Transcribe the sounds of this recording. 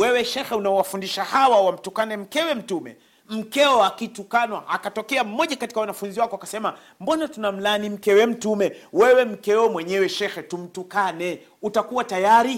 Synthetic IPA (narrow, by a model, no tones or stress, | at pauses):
wɛwɛʃɛxɛunaɔwafundiʃahawawam̩tukanɛm̩kɛwɛm̩tumɛ̰ | m̩kɛɔakitukanwaʔakatɔkɛam̩mɔʄakati̥kawanafunziwakɔwakasɛma | mbɔnatunam̩lanim̩kɛwɛm̩tumɛwɛwɛm̩kɛɔmwɛɲɛwɛʃɛxɛtum̩tukanɛ | utakuwatajaɾi